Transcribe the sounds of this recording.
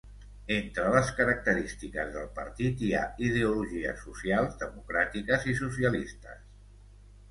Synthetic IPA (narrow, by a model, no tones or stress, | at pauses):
ent̪ɾələskəɾək̚t̪əɾist̪ikəzðəlˠpə̰ɾt̪it̪ia̰iðeuluʒiə̰susialˠzðəmukɾat̪ikəzisusiəlist̪ə̰s